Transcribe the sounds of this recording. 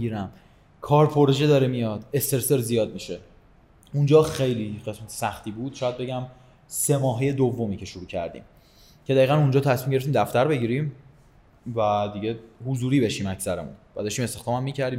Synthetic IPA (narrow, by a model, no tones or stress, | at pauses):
iɾæm | kʰɒːɾpʰoɾoʒed̪ɒːɾemijɒːd̪̥e̞st̪e̞ɾseɾzijɒːd̪̚miːʃe̞ | und͡ʒɒːxejliːɢe̞smæt̪ʰe̥sæxt̪ʰiːbuːd̪̥ʃɒːjæd̪̚be̞ɟæm | se̞mɒːɦeje̞d̪ovːo̞miːcʰe̞ʃuɾuːcʰæ̰ɾd̪ḭːm | cʰeæiːɣænund͡ʒɒːt̪ʰæsmimɟeɾeft̪imd̪æft̪æɾbe̞ɟiːɾim | væd̪iɟehuzuːɾiːbe̞ʃiːmæcʰsæɾemṵnb̥æd̪ɒʃt̪ime̞st̪e̞xd̪ɒːmæmːiːcʰæɾd̪iːm